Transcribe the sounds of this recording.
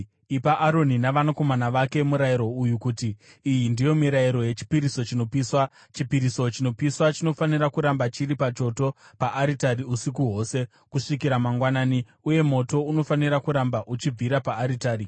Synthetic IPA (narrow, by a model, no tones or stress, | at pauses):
ipaʔaɾo̞ninaʋanako̞manaʋake̞muɾajiɾo̞ujukutiː | jindijo̞miɾaiɾo̞je̞t͡ʃi̥piɾiso̞t͡ʃino̞piswa | t͡ʃipiɾiso̞t͡ʃino̞piswat͡ʃino̞faniɾakuɾambat͡ʃiɾipat͡ʃo̞to̞paʔːɾitaɾiusikuɦo̞ːse̞ | kuʂikiɾamaŋɡwanaːni | uje̞mo̞to̞uno̞faniɾakuɾambaʔut͡ʃib͡viɾapaːɾitaːɾi